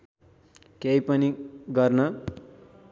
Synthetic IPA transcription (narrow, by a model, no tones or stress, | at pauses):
kejpʌniɡʌrnʌ